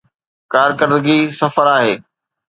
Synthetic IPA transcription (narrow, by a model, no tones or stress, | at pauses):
kaːɾkəɾd̪ɡisɐfəɾaːɦeː